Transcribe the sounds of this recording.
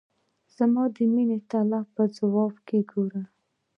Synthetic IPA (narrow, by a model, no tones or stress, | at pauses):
z̥amɑd̪əminet̪alapəzawɑbkeɡoɾa